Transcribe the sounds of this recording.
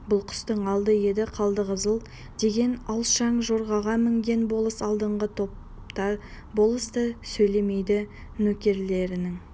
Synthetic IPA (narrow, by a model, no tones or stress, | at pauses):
bʊlˠqʰʏ̥st̪əɴɑlˠd̪əje̞d̪ɪqʰɑlˠd̪əʁəzəlˠ | d̪̥e̞ɡʲe̞nɑwˠʃɑɴʒoɾʁɑʁɑmɪŋɡʲe̞nbo̞lˠəsɑlˠd̪əɴʁət̪ʰo̞p̚ | t̪ɑ | bo̞lˠəst̪əsɵjle̞me̞jd̪ɪ | nɵkʲe̞ɾle̞ɾɪnɪŋ